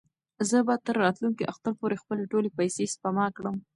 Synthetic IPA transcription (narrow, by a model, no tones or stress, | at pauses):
zəbɑd̪̚t̪əɾːɑt̪lunkiʔaxt̪aɾpoɾexpəleʈolepajsespamɑkɽəm